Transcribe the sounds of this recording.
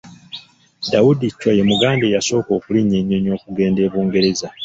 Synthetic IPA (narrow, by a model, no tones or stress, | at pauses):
dawudicːwajemuɡaːnde̞jaso̞ːko̞ːkuliɲːe̞ɲːoɲo̞ːkuɡe̞ːnde̞ːβuːŋɡe̞ɾe̞za